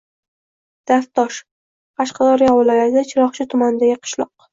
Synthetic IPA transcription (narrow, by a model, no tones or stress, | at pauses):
d̪̥ast̪ɒʃ | qʰɑʃqɑd̪ɒɾjɒvɪlɒjat̪ʰɪd̪at͡ʃʰɪɾɒχt͡ʃʰɪt̪ʰʊmanɪd̪aɡʲɪqʰɨ̥ʃlˠɒ̰q̚